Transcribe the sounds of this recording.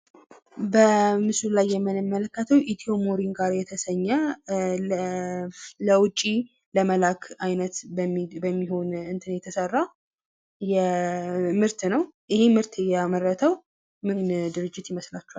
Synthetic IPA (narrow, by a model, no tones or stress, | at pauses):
bəmɨsllajːɛmːɨnɨmːələkːət̪ʰəwʔit̪ʰio̞moɾinɡaɾjɛt̪ʰəsəɲːə | ləwʊt͡ʃʼːi | ləməlakʰajnət̪bəmːiho̞nɨnt̪ʰɨnjɛt̪ʰəsərːa | jɛ | mɨɾt̪nəwʔɨhe̞mɨɾt̪ɨjɛamərːət̪ʰəw | mɨnd̪ɨɾɨd͡ʒːɪt̪jɪməslat͡ʃːua